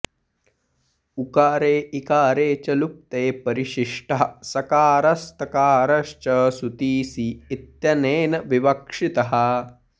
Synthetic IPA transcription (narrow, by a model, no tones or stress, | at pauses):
ukaːɾeːʔikaːɾeːt͡ʃɐlup̚t̪eːpɐɾiʃiʂʈɐɦɐsɐkaːɾɐst̪ɐkaːɾɐʃt͡ʃɐsut̪iːsiːt̪jɐneːnɐʋiʋɐkʂit̪ɐɦɐ̆